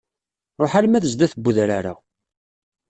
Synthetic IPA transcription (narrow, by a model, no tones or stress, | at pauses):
ɾˤoħalmæðəzd̪æθəbːuðɾaɾa̰